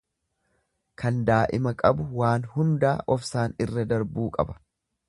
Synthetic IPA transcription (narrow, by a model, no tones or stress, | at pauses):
kʰɐnd̪aːʔɪmɐkʼɐbʊwaːnhʊnd̪aːʔɔfsaːnɪrːɐd̪ɐɾbuːkʼɐ̰bɐ̥